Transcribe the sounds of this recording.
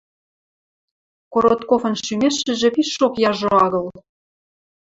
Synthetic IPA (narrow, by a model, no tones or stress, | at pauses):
koɾot̪kofɤ̆nʃymeʃɘ̆ʒĕpiʃʃokjɑʒoɑɣɤ̆l